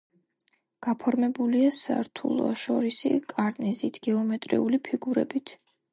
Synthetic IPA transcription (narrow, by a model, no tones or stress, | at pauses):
ɡ̥apʰɔɾmɛbuliasa̰ɾt̪ʰṵlˠɔ̰ʃɔɾisḭkʼaɾnɛzit̪ʰɡ̥ɛɔmɛt̪ʼɾḭulipʰiɡuɾɛ̰bit̪ʰ